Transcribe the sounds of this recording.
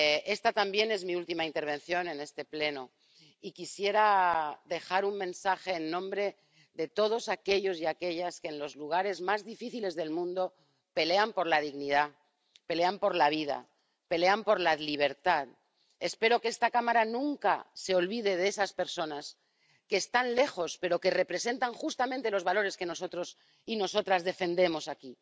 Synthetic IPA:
e̞st̪at̪ambje̞ne̞zmiult̪imaint̪e̞ɾβ̞ẽ̞nθjo̞nẽ̞ne̞st̪e̞ple̞no | ikisje̞ɾaðe̞xaɾummẽ̞nsaxe̞ːnːõ̞mbɾe̞ | ðe̞t̪o̞ð̞o̞sake̞ʎo̞siake̞ʎaskenlo̞zluɣ̞aɾe̞zmazðifiθile̞zðe̞lmũnd̪o̞ | pe̞le̞ampo̞ɾlað̞iɣniða | pe̞le̞ampo̞ɾlaβ̞iða̰ | pe̞le̞ampo̞ɾlaliβ̞e̞ɾt̪að | e̞spe̞ɾo̞kest̪akamaɾanũŋka̰se̞o̞lβiðe̞ð̞esaspe̞ɾso̞nas | ke̞ːst̪anle̞xo̞spe̞ɾo̞ke̞re̞pɾe̞se̞nt̪aŋxust̪amẽnt̪e̞lo̞zβalo̞ɾe̞ske̞no̞so̞t̪ɾo̞s | ino̞so̞t̪ɾazðe̞fe̞nd̪e̞mo̞saki

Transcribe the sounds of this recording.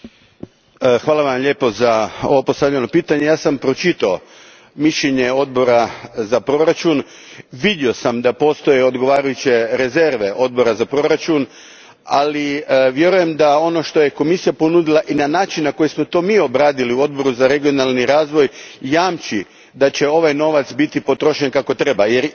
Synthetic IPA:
xʋaːlˠaʋamʎe̞ːpo̞zao̞̰ʋopo̞st̪aʋʎʲeno̞piːt̪aɲejaːsampɾo̞t͡ʃit̪ao | miʃʎeɲe̞o̞d̪bo̞ɾazapɾo̞ɾat͡ʃun | ʋid̪jio̞samd̪apo̞ːst̪o̞jeo̞d̪ɡo̞ʋaːɾajut͡ɕe̞ɾe̞ze̞ɾʋe̞ʔo̞d̪̚bo̞ɾazapɾo̞ɾat͡ʃun | aliʋje̞ɾuje̞md̪ao̞no̞ʃt̪ojeko̞misijaponud̪ilˠaʔinanaːt͡ʃinnako̞jismo̞t̪o̞ːmiːo̞bɾaːd̪iliuo̞d̪̚bo̞ɾuzaɾe̞ɡio̞nalˠniɾaːzʋo̞jjaːmt͡ʃi | d̪at͡ɕe̞o̞ʋajno̞ʋat̪sbit̪ipo̞t̪ɾo̞ʃenkako̞t̪ɾe̞bajeɾ

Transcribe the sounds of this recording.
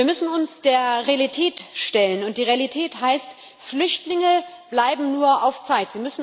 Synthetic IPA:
iːɐmʏsn̩ʊnsd̥eːɐʁealitʰɛːtʃtɛlənʊntd̥iːʁealitʰɛːthaɪst | flʏçtlɪŋə | b̥laɪbm̩nuːɐʔaʊft͡saɪtz̥iːmʏsn̩

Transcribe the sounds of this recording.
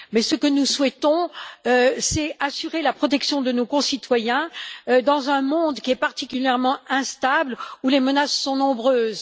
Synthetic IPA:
mɛsəkənuswɛt̪ɔ̃øsɛasyʁelapχɔt̪ɛksjɔ̃d̪ənokɔ̃sit̪wajɛ̃ød̪ɑ̃zɛ̃mɔ̃d̪kʲiɛpaʁt̪ikʲyljɛʁmɑ̃ɛ̃st̪ablulemənasːɔ̃nɔ̃bʁøːz

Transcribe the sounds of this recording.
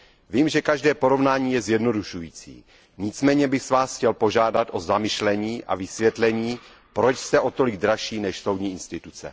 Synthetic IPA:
viːmʒɛkaʒdɛːpo̞ɾo̞vnaːɲiːjɛzjɛdno̞duʃujḭːt͡sḭː | ɲɪt͡smɛːɲɛbɪxsvaːsxcɛlpo̞ʒaːdat̪ʔo̞zamɪʃlɛɲiːʔa̰vɪsvjɛt̪lɛɲiː | pɾo̞t͡ʃst̪ɛʔo̞t̪o̞lɪɡ̚d̪ɾaʃiːnɛʃso̞wd̪ɲiːʔɪnst̪ɪt̪ut͡sɛ̰

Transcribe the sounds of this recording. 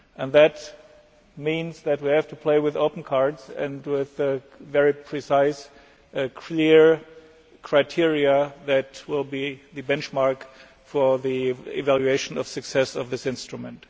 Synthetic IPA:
ʔɨ̃nðɨt | mĩnzðɨt̚wihæv̥tʰupʰl̥eɪwɨðoʊpn̩kʰɑɹdzɨ̰̃nwɪðɨ | vɛɹipʰɹ̥isaɪs | kʰlɪɹ | kʰɹ̥aɪtʰɪɹiɨðɨtwɪlˠbiðɨbɛ̃nt͡ʃmɑɹk | fə˞ðiɪ̰vælˠjueɪʃn̩ʌv̥sɨksɛsʌvðɪsɪ̃nstɹ̥ɨmɨ̃nt

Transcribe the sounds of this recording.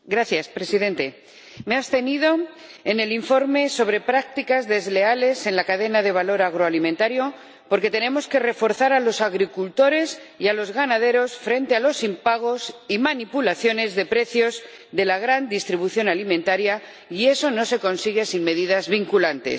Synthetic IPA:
ɡɾaθjaspɾe̞siðe̞nt̪e̞ | me̞ast̪e̞niðo̞ | ene̞liɱfo̞ɾme̞so̞β̞ɾe̞pɾak̚t̪ikazðe̞zle̞ale̞se̞nlakaðe̞naðe̞β̞alo̞ɾaɣ̞ɾoalimẽnt̪aɾjo̞ | po̞ɾke̞t̪e̞nẽ̞mo̞ske̞re̞fo̞ɾθaɾalo̞saɣɾikult̪o̞ɾe̞s | ialo̞zɣanaðe̞ɾo̞sfɾe̞nt̪e̞alo̞simpaɣ̞o̞simanipulaθjo̞ne̞zðe̞pɾe̞θjo̞z | ðe̞laɣ̞ɾand̪ist̪ɾiβuθjo̞nalimẽnt̪aɾja | ie̞sono̞se̞ko̞nsiɣe̞sinme̞ðiðazβiŋkulant̪e̞̰s

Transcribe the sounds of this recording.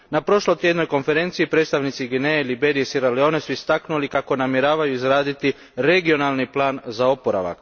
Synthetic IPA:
napɾo̞ʃlojt̪je̞d̪no̞jko̞nfe̞ɾe̞nt̪siːipɾet̪st̪aʋnit̪siɡineːlibeɾiesiɾaleo̞ːnesuist̪aknulikako̞namjeɾaːʋajuizɾaːd̪it̪i | ɾe̞ɡio̞nalˠniplˠaːnzao̞poɾa̰ʋa̰k

